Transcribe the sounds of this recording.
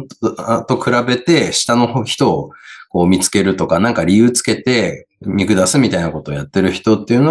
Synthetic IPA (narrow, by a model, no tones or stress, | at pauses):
at̪o̞kɯ̟ɾabe̞t̪e̞ɕi̥t̪ano̞çi̥t̪o̞ːko̞ːmʲit͡sɨ̥ke̞ɾɯ̟t̪o̞kanãŋkaɾʲijɯːt͡sɨ̥ke̞t̪e̞ | mʲikɯ̟d̪asɨmʲit̪ainako̞t̪o̞ːjat̪ːe̞ɾɯ̟çi̥t̪o̞t̪ːe̞iɯ̟no